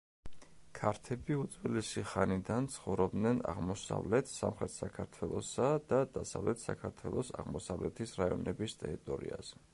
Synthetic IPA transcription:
kʰaɾt̪ʰɛbiut̪zwɛlɛsiχanid̪ant̪sʰχɔvɾɔb̚d̪nɛna̰ʁmɔsa̰vlɛt̪ʰsa̰mχɾɛt̪ʰsakʰaɾt̪ʰwɛlˠɔsad̪̥ad̪̥asavlɛt̪ʰsakʰaɾt̪ʰwɛlˠɔsa̰ʁmɔsavlɛt̪ʰisɾaiɔnɛbist̪ʼɛɾit̪ʼɔɾḭaz̥ɛ

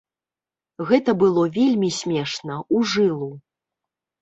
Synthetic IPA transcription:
ɣɛt̪ɐbɨlˠɔvʲelʲmʲisʲmʲɛʂnɐuʐɨlˠu

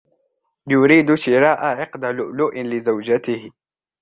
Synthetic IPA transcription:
jʊɾiːd̪ʃɪɾɑːʔaʕɪqd̪alʊʔluːʔɪnlɪzawd͡ʒat̪ɪhɪ

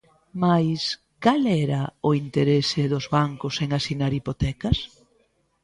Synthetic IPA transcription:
majs | kalɛɾɐʊint̪eɾesɪðʊzβaŋkʊseŋasinaɾipot̪ɛkɐs

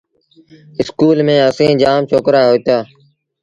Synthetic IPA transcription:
ɪskuːlmẽːəsẽːd͡ʒaːmt͡ʃʰoːkɾaːɦoːt̪aː

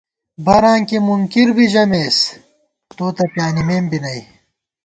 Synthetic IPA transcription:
bʱɐɾãːŋkimuŋkiɾbʱid͡ʑɐmeːs | t̪oːt̪ɐpjaːnimeːmbinɐi

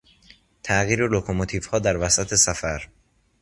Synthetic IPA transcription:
t̪ʰæʔɣiːɾelokʰomot̪ʰiv̥hɒːd̪æɾvæsæt̪ʰe̞sæfæɾ

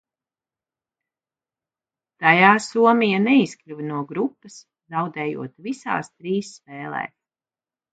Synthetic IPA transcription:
t̪ajaːsuɔmijanɛisklʲuvnuɔɡɾupːɐs | zawd̪ɛːjṵɔt̪visa̰ːst̪ɾiːsːpɛːlˠɛ̰ː

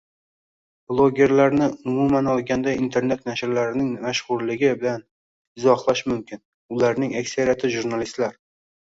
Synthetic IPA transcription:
b̥lˠoɡʲe̞ɾlaɾnɪʊmʊmanɒlˠɡʲand̪aint̪ʰe̞ɾne̞t̪naʃɾlaɾɪnɪŋmaʃʁʊɾlɪɡʲɪbɪlan | ɪzɒχlˠaʃmʊmkʲʰɪn | ʊlaɾnɪŋakʲsaɾijat̪ʰɪʒuɾnalist̪laɾ

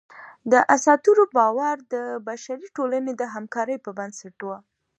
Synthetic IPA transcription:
d̪əʔasɑt̪uɾobɑwaɾd̪əbaʃaɾiʈolaned̪əɦamkɑɾəjpəbansaʈwa

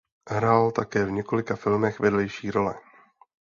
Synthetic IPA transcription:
ɦɾaːlt̪akɛːvɲɛko̞lɪkafɪlmɛxvɛdlɛjʃiːɾo̞lɛ̰

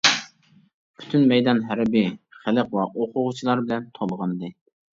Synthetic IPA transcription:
pʰy̥t̪ʰynmɛjd̪ɑnɦæɾɪbiχæləqwɑʔoqʰʊʁʊt͡ʃʰilˠɑɾbɪlɛnt̪ʰolˠʁɑnɨd̪ɨ

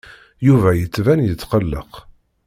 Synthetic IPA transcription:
juvæjət͡sːvænjət͡sːqəlːə̰q

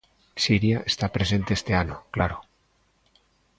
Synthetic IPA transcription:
siɾjaest̪apɾe̞s̬e̞nt̪eest̪e̞anoklaɾo

